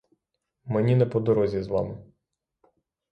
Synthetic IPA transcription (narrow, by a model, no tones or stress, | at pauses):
menʲinɛpɔd̪ɔɾɔzʲizʋɑ̰mɪ